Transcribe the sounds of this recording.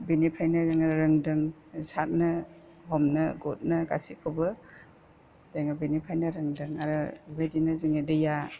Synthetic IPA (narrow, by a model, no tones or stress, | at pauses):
binipʰajnɐzɯŋɾɾɯŋdɯŋ | sat̚nɐ | ɦɔmnɯɡɔt̚nɐɡa̰sikʰobɯ | d̥aŋabenipʰajnɐɾɯŋdɯŋaɾɯbadinɯzɯŋadɯja